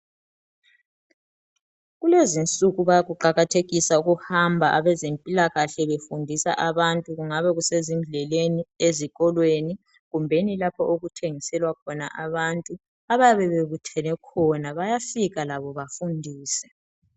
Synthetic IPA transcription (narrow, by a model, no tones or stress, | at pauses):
ɣulezint͡sʼuɣuβajaɣuǃaɣatʰeɣisauɣuhambʱaʔaβɛzempʼilaɣaɬɛβefundʱisa̰ʔaβantʼuɣuŋaβɛɣusezim̩ɮɛlenieziɣɔlweni | ɣumbʱenilapʰɔʔoɣutʰeŋisɛlwakʰɔna̰ʔaβantʼu | aβajβɛβeβutʰɛnɛkʰɔnaβajafiɣalaβɔβafundʱiːsɛ̥